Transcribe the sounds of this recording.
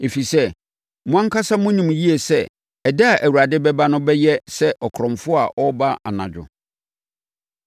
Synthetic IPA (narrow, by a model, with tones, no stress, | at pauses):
e˨fi˨sɛ˦ | mʊ̃˦ã˦ŋ˦kʰa˦sa˦mʊ̃˦ɲĩ˨m˨ji˦e˨sɛ˦ | ɛ˨da˦˨ʔæ˨wu˨ɾa˨dɪ˦bɛ˦ba˦nʊ̃˦bɛ˦jɛ˦sɛ˦ʔɔ˨kʰɾɔ̃˨mfʊ˦a˨ʔɔ˦ba˦ʔa̰˨nã̰˨d͡ʑᶣʊ̰˨